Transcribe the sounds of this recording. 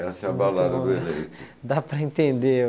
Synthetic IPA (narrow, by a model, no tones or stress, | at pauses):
asabalaɾɐuelejt̪ɾ | d̪apɾɐĩnt̪ẽnd̪e